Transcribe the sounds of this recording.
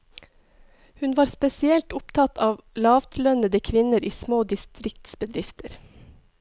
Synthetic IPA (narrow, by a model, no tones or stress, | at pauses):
hʉnʋɑːɾspɛsɪɛlt̪ʊpt̪ʰɑt̪ʰɑːʋlɑːʋt̪ʰlœnəd̪əkʰʋɪnəɾiːsmoːd̪ɪst̪ɾɪk̚t̪sbəd̪ɾɪft̪ʰəɾ